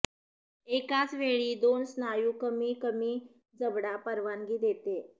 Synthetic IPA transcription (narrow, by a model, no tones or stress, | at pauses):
ekat͡sʋeɭiːd̪onsnajukəmiːkəmiː | d͡zəbɽapəɾʋanɡiːd̪et̪e